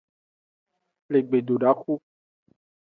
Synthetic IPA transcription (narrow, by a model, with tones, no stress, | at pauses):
le˨ɡ͡be˨do˨ɖa˦xu˦